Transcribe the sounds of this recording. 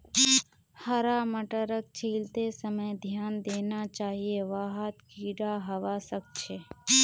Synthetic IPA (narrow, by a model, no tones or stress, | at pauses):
həɾaməʈəɾək̚t͡ʃʰiːlt̪esəməjd̪ʱjaːnd̪eːnat͡ʃaːɦieʋaːɦət̪kiːɽaɦɐʋasək̚t͡ʃʰeː